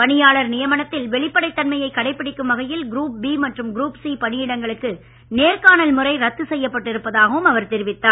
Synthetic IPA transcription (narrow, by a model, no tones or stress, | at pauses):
pɐɳɪjaːɭɐɾnɪjɐmɐnɐt̪ːɪlʋɛɭɪpːɐɽɐɪt̪ːɐnmɐjɐɪkːɐɽɐɪpːɪɽɪkːɯmʋɐɣɐjɪlɡɾuːp̚biːmɐʈrɯmɡɾuːpsiːpɐɳɪjɪɽɐŋɡɐɭɯkːɯ | neːɾkaːnɐlmɯrɐɪɾɐt̪ːɯsɛjːɐpːɐʈːɪɾɯpːɐðaːɣɐʋɯmɐʋɐɾt̪ɛɾɪʋɪt̪ːaː